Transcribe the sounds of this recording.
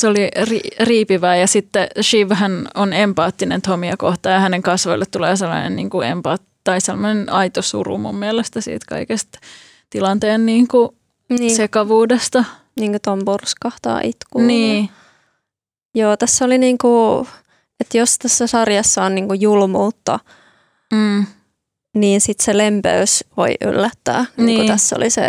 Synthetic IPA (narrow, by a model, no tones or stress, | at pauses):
soliririːpiʋæːjɑsit̪ːeʃiʋhænonempɑːt̪ːinḛnt̪ʰomiɑkoht̪ɑːjɑhæneŋkɑsʋoilːet̪t̪uleːselːɑ̰nḛnnḭːŋkuḛmpɑːt̪t̪ːɑisemːonenɑit̪osṵrṵmṵmːiɛlest̪æsḭːt̪kɑ̰ikest̪ | t̪ilɑnt̪eːnniːŋku | nisekɑʋuːdest̪ɑ | niːŋkut̪ompurskɑht̪ɑ̰ːʔit̪kuniː | joːt̪æsːoliniːŋku | et̪jost̪æsːæsɑrjɑsːɑonniːŋkujulmuːt̪ːɑː | niːnsit̪selempḛysʋo̰iʔy̰lːæt̪ːæ̰ːnːiːikuːt̪æsːo̰lisḛ